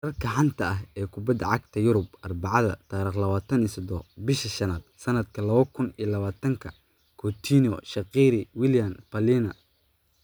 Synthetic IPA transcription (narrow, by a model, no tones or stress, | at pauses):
rɐrkʰɐʕɑnt̪ʰɐɐɦɛːkʰʊbɐd̪ɐʕɑɡt̪ʰɐjʊɾʊbʔɐrbɑʕɑðɐ̰t̪ʰaːɾiːχlɐβaːt̪ʰɐniːsɐd̪ɔbɪʃɐʃɐnaːd̪̚sɐnɐd̪kʰɐlɐβɐkʰʊnijɐlɐβaːt̪ʰɐŋkʰɐ | kʰɔt̪ʰinɔʃɐqiːɾɪwɪljɐmpʰɐlinɐ